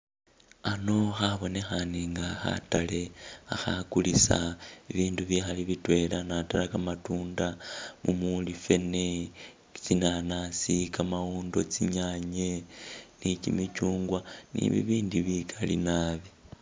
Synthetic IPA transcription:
ano̞xaβo̞ne̞xaniŋɡaxa̰tale̞axakulisa̰iβiːnduβixaliβitwe̞lanatalakamatuːndamumulife̞ne | t͡ʃinanasikamauːndo̞t͡siɲaɲenit͡ʃimit͡ʃuːŋɡwanḭβḭβiːndiβikʰalḭnaβi

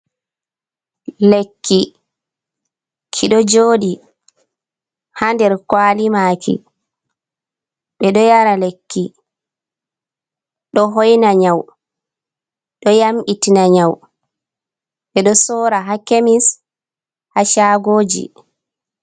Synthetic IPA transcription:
lekːi | kʰiɗɔd͡ʒoːɗi | handɛɾkwaːlimaːkʰḭ | ɓɛɗɔjaɾalekːi | ɗɔɦɔjnaɲaw | ɗɔjamʔitinaɲaw | ɓɛɗɔsɔːɾaɦakemis | haʃaːɡoːd͡ʒḭ

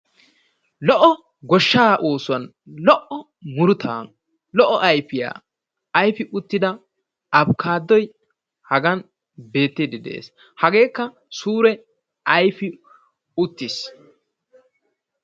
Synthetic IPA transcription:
lɔʔɔ | ɡɔʃːaːʔoːsʊɐn | lɔʔɔ | mʊɾʊt̪ʰa̰ː | lɔʔɔʔɐjfɪja̰ː | ɐjfɪʔʊt̪ːɪd̪ɐ | ɐbkʰaːd̪ːɔj | hɐɡɐn | be̞ːt̪ːɪd̪ɪd̪ḛːs | hɐɡe̞ːkːɐ | suːɾɛ | ɐjfɪ | ʊt̪ːɪs

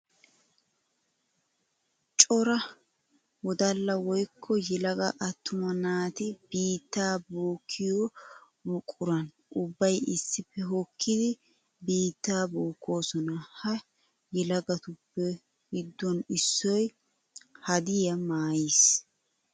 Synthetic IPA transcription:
t͡ʃʼɔɾɐ | wɔd̪ɐlːɐwɔjkʰːɔjɛlɐɡɐʔɐt̪ːʊmɐnaːt̪ɪbiːt̪ːaːboːkʰːɪjɔ | bʊkʼːʊɾɐn | ʔʊbːɐjɪsːɪpːɛɦɔkʰːɪd̪ɪ | biːt̪ːaːboːkːo̞ːsɔnɐhɐ | jɛlɐɡɐt̪ʊpːɛ | ɡɪd̪ːɔnɪsːɔj | hɐd̪ɪjɐmaːjis

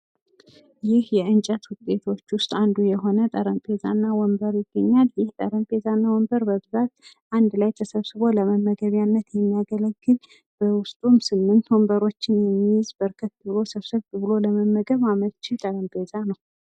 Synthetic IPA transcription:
jɪhjɛɨnt͡ʃʼət̪wʊt̪ʼːe̞t̪ʰo̞t͡ʃːwʊst̪ʼand̪ujɛɦo̞nət̪ʼəɾəmpʼe̞za̰nːawɔmbəɾjɪɡːəɲːaljɪht̪ʼə̰ɾəmpʼʰe̞zanːawɔmbəɾbəβɨzat̪ | ʔand̪lajt̪ʰəsəβsɨβo̞ləməmːəɡəβjanːət̪jɛmːijaɡələɡːɨl | b̥əwʊst̪ʼumsɨmːɨnt̪wɔmbəɾo̞t͡ʃːɪnjɛmːijɪzbəɾkʰət̪ːɨbɨlo̞səβsəβt̪βɨlo̞ləməmːəɡəβamət͡ʃːit̪ʼəɾəmpʰʼe̞zanəw

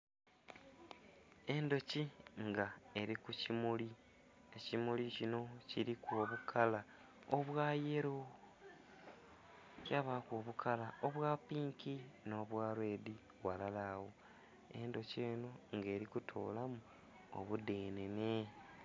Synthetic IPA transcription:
e̞ndo̞ciŋɡae̞ɾikucimuli | ecimulicino̞ciɾikwoβukʰala | oβwaːje̞ɾo | caβakwoːβukʰalaoβwaːpiːŋkino̞ːβwaːɾwe̞ːdi | walalawo̞ | e̞ndo̞ceːnoŋɡe̞ːɾikutʰo̰ːlamu | o̰βudeːnene̞

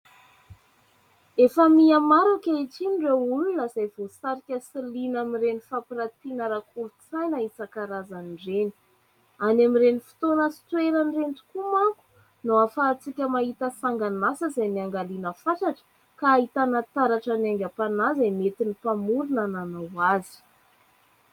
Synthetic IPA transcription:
efəmiamaɾakʲaiʈ͡ʂinɖ͡ʐeulunəz̥ajv̥osaɾikʲəsilinamiɾenifapiɾat̪inəɾakʰulut͡sajnait͡sakaɾazaniɖ͡ʐeni̥ | anamiɾenifi̥t̪onəsi̥t̪weɾanrenʈ͡ʂu̥kumaku̥ | noafaːt͡sikʲəmaɦit̪əsaŋɡanasəzajniaŋɡalinəfaʈ͡ʂaʈ͡ʂə̥ | kaːɦit̪anat̪aɾaʈ͡ʂanaŋɡʲapanazamet̪inipamuɾunananawazi̥

